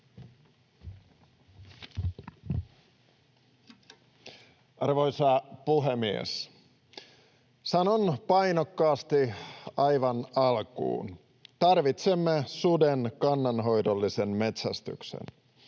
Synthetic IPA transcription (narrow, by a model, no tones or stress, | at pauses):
ɑrʋojsɑpuɦemiḛs | sɑno̞npɑjnokːɑːst̪iɑjʋɑnɑlkṵːn | t̪ɑrʋit̪semːesudenkɑnːɑnɦo̞jdolːisenmet̪sæst̪y̰ksḛn